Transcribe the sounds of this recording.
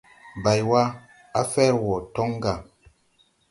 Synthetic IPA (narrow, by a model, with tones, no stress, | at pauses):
ba˨jwa˦ | a˦fɛ˦ɾwɔ˨tɔ˦ŋ˦ɡa˨